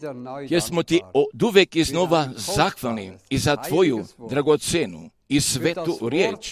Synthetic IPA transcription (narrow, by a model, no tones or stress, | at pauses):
jeɾsmot̪iod̪uʋjekiznoʋazaxʋalniizat̪ʋo̞jud̪ɾaɡot̪senṵ | isʋet̪uɾjeːt͡ʃ